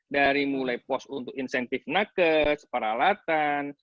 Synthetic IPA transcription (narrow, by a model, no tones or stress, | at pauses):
daɾimulajpɔsunt̪ʊk̚insɛnt̪ifnakəspəɾalat̪an